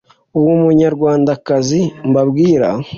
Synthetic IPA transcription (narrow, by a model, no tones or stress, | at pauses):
uwumuɲaɾɡwaːndakazimbabɡiːɾa̰